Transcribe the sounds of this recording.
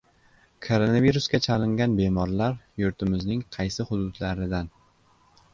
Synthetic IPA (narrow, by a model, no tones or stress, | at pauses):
kʰoɾonaviɾʊsɡʲat͡ʃʰalɪŋɡʲanbe̞mɒɾlaɾjʊɾt̪ʰɪmɪznɪŋqʰɑjsɪhʊd̪ʊd̪laɾɪd̪an